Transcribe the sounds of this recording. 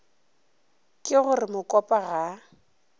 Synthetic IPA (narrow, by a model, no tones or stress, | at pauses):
kʼɪɣʊrɪmʊkʼɔpʼaɣa